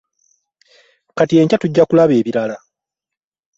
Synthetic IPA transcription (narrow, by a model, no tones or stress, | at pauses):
katie̞ːɲcatuɟːakulaβe̞ːβiɾala